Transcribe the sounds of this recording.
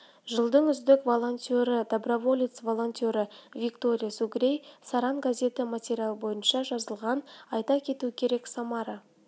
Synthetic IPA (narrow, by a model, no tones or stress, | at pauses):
ʒəlˠd̪əɴʏzd̪ɪkvo̞lˠo̞nʲt̪ʲoɾəd̪abrovo̞lʲit̪svo̞lˠo̞nʲt̪ʲo̞ɾəvʲikt̪o̞ɾʲijasuɡɾʲejsaɾɑnɡazʲe̞t̪ɪmatʲeɾʲijalˠbo̞jənʃɑʒɑzəlˠʁɑnɑjt̪ɑkʲʰe̞t̪ukʲʰe̞ɾe̞ksɑmɑɾə